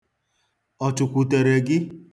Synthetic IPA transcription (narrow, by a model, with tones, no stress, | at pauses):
ɔ˨t͡ʃʊ˨kʷu˨te˨ɾe˨ɡɪ˦